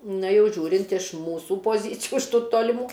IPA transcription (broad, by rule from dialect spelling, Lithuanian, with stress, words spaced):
ˈnɐ ˈjɛʊ ˈʒʲuːrʲɪnt ɪʃ ˈmuːsuː poːˈzʲiːt͡sʲɪjuː ɪʃ ˈtuː toːlʲɪˈmuː